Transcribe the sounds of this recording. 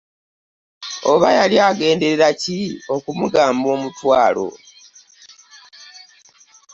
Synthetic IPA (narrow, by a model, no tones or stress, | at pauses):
o̞βajaliaːɡe̞ːnde̞ɾeɾacio̞kumuɡaːmbo̞ːmutwaːlo̞̰